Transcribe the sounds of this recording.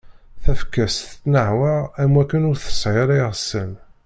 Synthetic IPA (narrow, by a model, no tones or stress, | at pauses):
θæfkæsθnəʕwəʁæmwækːənʊɾθə̥sˤʕɪɾˤiʁsən